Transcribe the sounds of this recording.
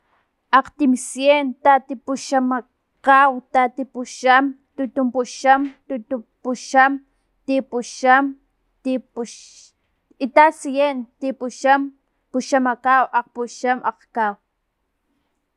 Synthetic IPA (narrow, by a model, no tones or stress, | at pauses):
aqt̪imsjent̪at̪ipuʃama | kawt̪at̪ipuʃam | t̪ut̪umpuʃamt̪ut̪upuʃam | t̪ipuʃam | t̪ip | it̪asijent̪ipuʃam | puʃamakawʔaq̚puʃamʔaqkaw